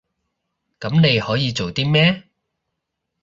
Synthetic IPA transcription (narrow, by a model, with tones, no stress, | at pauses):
kɐ˨˥mne˨˧jhɔː˨˥jiː˨˧t͡so˨wt̪iː˥mɛː˥